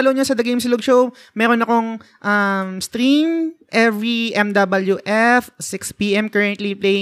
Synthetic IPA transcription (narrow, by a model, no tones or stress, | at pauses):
ɐloʔɲosɐd̪ɐɡimsɪlʊɡʃow | mɛːɾonɐko̞ŋ | ʔɐmst̪ɾimʔɛvɾiʔɛmd̪ɐbɐljuʔɛfsɪkspiʔɛmkəːɹɛnt̪liplɛj